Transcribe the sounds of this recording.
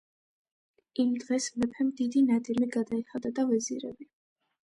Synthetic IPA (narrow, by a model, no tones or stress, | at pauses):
imd̪ʁɛsmɛpʰɛmd̪id̪inad̪imiɡad̪aiχad̪ad̪avɛzḭɾɛ̰bi